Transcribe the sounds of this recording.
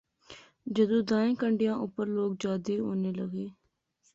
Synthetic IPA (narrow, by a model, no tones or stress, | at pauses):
d͡ʒəd̪õːd̪aːẽːkəɳɖɪjãːʔʊpːəɾloːk̚d͡ʒaːd̪eːoːneːləɡeː